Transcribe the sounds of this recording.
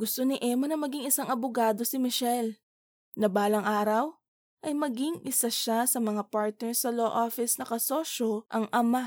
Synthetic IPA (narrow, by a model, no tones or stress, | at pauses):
ɡ̥ʊst̪o̞nɪʔɛmonɐŋmɐɡiŋɪsaŋɐbʊɡaːd̪o̞sɪmɪʃɛl | nɐbaːlɐŋʔaːɾɐw | ʔɐjmɐɡiŋʔɪsaʃasɐmɐŋapaɹt̪̚nɛɹsɐloʔofɪsnɐkɐsoːʃo̞ʔɐŋʔɐma